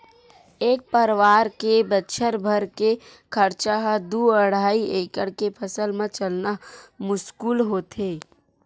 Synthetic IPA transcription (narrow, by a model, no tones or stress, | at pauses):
eːk̚pəɾʋaːɾkebətːʃʰəɾbʱəɾke | kʰəɾt͡ʃaɦəd̪uəɽaːieːkəɽkepʰəsəlmẽt͡ʃəlnamʊskuːlɦoːt̪e